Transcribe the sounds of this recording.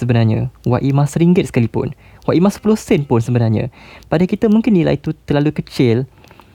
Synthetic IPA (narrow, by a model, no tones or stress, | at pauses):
səbənarɲã̰wa̰ʔimãsəɾiŋɡɪt̪̚sə̥kalipʊ̰n | waʔimãsə̥pulohsɛnpʊnsəbənarɲã̰padakit̪əmũŋkɪnila̰it̪ut̪əlalukət͡ʃɪl